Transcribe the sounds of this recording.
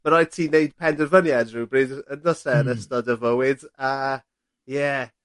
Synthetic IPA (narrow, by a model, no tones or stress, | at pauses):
məɾɔjd̚tʰiːnejd̥̚pʰɛndərvənjadruːbrɪdəndɔsɛənəstɔdəvəwɪda | jɛ